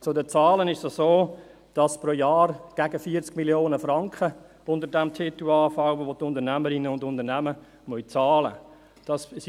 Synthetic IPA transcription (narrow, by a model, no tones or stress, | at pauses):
t͡sʊdət͡sɑːlənɪʃsasoː | d̥ɑspɾoːjaːɾɡ̥æɡəfiːət͡skmiljoːnəfrɑŋkχə | ʊndəɾdɛmtʰetuɑːfawotʊndənæməɾɪnəʊndʊndənæmə | mœʏt͡sɑːlə̰ | d̥ɑss